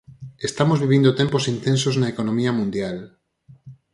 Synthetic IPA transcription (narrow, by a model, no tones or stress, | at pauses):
est̪amozβiβ̞ind̪ot̪emposint̪ẽns̬oznaekonõmiɐmũnd̪jal